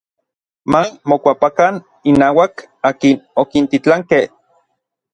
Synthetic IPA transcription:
mamokʷapakan | inaːwak | aːkinokint̪it͡ɬaŋkeh

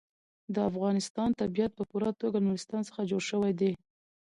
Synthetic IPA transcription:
d̪əafɣɑnɪst̪ɑnt̪abijat̪̚pəpuɾat̪oɡalnuɾɪst̪ɑnsə̥xad͡ʒoɽʃəwajd̪e

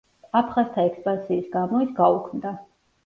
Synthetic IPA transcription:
apʰχast̪ʰaɛkspʼansiːsɡamɔisɡaukʰmd̪a

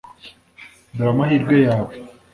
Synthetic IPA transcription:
d̪ɾamaɦiɾɡajaː

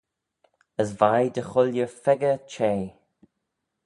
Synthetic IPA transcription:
əsvajd̪əxʊljəɹfɛɡət͡ʃʰeː

